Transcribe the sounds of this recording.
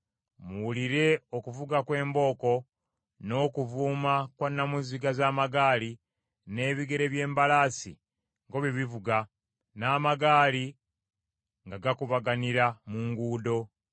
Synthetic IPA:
muwuliɾe̞o̞kuvuɡakwe̞ːmbo̞ːko̞ | no̞ːkuvuːmakwanːamuziɡazaːmaɡaːli | ne̞ːβiɡe̞ɾe̞βje̞ːmbalaːsḭ | ŋɡo̞βiβivuɡa | naːmaɡaːli | ŋɡaɡakuβaɡaniɾamuŋɡuːdo̞

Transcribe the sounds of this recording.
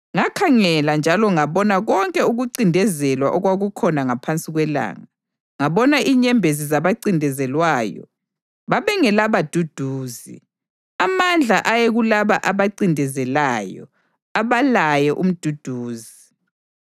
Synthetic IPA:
ŋakʰaŋɛland͡ʒʱalɔŋaβɔnaɣɔŋkʼɛuɣuǀindʱɛzɛlwa̰ʔɔɣwaɣukʰɔnaŋapʰant͡sʼiɣwɛla̰ːŋa | ŋaβɔnaʔiɲɛmbʱezizaβaǀindʱɛzɛlwaːjɔ̰ | βaβɛŋɛlaβad̥ʱud̥ʱuːzḭ | amand͡ɮʱaʔajeɣulaβaʔaβaǀindʱɛzɛlaːjɔ̰ | aβalajɛʔum̩d̥ʱud̥ʱuːzi

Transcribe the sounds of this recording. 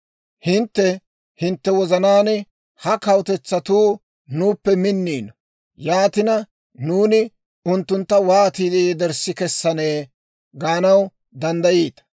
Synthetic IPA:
hɪnt̪ːɛ | hɪnt̪ːɛwɔzɐnaːn | hɐkɐwt̪ɛt͡sːɐt̪uː | nuːpːɛmɪnːiːn | jaːt̪ɪnɐ | nuːnɪ | ʊnt̪ːʊnt̪ːɐwaːt̪iːd̪id̪ɛɾsːɪkɛsːɐneː | ɡaːnɐw | d̪ɐnd̪ɐjiːt̪ɐ̥

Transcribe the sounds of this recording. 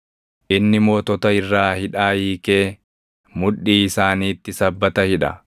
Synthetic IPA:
ʔɪnːɪmoːt̪ɔt̪ɐɪrːaːhɪᶑaːjiːke̞ː | mʊᶑːiːɪsaːniːt̪ːɪsɐbːɐt̪ɐhɪᶑɐ̰

